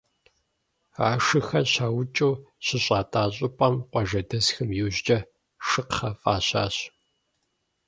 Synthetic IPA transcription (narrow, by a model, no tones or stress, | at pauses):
aːʂɨxɐɕaːwt͡ʃʼuwɕɪɕʼaːtʼaːɕʼɪpʼɐmqʷɔʒɐdɐsxɐmjuːʑt͡ʃʼɐ | ʃɨqχɐfʼaːɕa̰ːɕ